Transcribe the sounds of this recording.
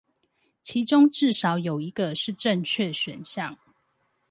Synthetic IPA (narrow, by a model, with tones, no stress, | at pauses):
t͡ɕʰi˨˦ʈ͡ʂʊ˥ŋʈ͡ʂɻ̩˥˩ʂɑ˨˦ʊjo˨˩ʊi˨˦ɡə˧ʂɻ̩˥˨ʈ͡ʂə˥˧ŋt͡ɕʰɥɛ˥˨ɕɥɛ˨˩nɕjɑ˥˨ŋ